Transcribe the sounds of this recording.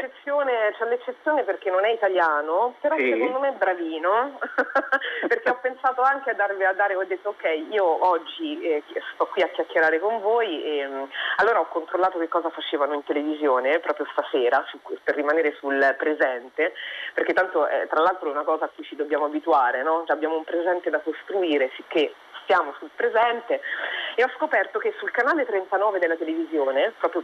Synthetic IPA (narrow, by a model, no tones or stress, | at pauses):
et͡ʃːet̪sːjoːnet͡ʃɛlːet͡ʃːet̪sːjoːneperk̟enːonɛit̪aljaːnopeɾɔsekond̪omeɛbːɾaviːno | perk̟eɔpːensaːt̪oaŋk̟ead̪ːarviad̪ːaːɾeɔd̪ːet̪ːookːɛjiːoɔd͡ʒːiɛst̪ɔkːwiakːjakːeɾaːɾekoɱvoːjemalːoːɾaɔkːont̪ɾolːaːt̪ok̟ekːɔːzafat͡ʃeːvanoint̪elevizjoːnepɾɔːpɾjost̪aseːɾasuperːimaneːɾesulpɾezɛnt̪eperk̟et̪ːant̪oʔɛ̰t̪ːɾalːalt̪ɾoɛunakɔːzaːkːujt͡ʃid̪objaːmoabit̪uaːɾenɔt͡ʃaːbːjaːmoumpɾezɛnt̪ed̪akost̪ɾuiːɾesik̟ːe | st̪jaːmosulpɾezɛnt̪eeɔskopɛrt̪okesːulkanaːlet̪ɾent̪anɔːved̪elːat̪elevizjoːnepɾɔːpɾjo